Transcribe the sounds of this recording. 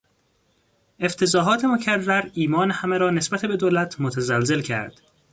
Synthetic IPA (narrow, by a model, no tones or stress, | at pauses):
ʔe̞ft̪ʰe̞zɒːɦɒːt̪ʰe̞mocʰærːæɾiːmɒːnehæmeɾɒːne̞sbæt̪ʰebe̞d̪oːlæt̪ʰmot̪ʰæzælze̞lcʰæ̰ɾd̪̥